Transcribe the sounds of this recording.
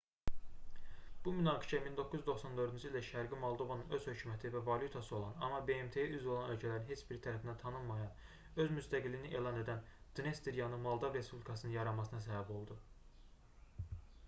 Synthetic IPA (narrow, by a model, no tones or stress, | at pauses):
b̥umynɑːɡiʃæmind̪o̞kʰːuzyzd̪o̞xsɑnd̪ø̞ɾd̪ynd͡ʒilæʃæɾɡimɑlˠd̪o̞vanɯnø̞zhø̞cʰumæt̪ʰivævɑlʲjut̪ʰɑsɯo̞lˠɑ̰nɑ̰mːɑbe̞emt̪ʰe̞jæʔyzolˠɑnø̞lcʰælæɾinɦe̞t͡ʃb̥iɾt̪ʰæɾæfind̪ænt̪ʰɑnɯmmːɑjɑn | ø̞zmyst̪ʰæɡilːiniʔe̞ːlˠɑne̞d̪ænd̪̥inest̪iɾjɑnɯmɑlˠd̪ovɾe̞spublʲikʰɑsɯnɯnjɑɾɑmɑs̬ɯnɑs̬æbæbo̞lˠd̪u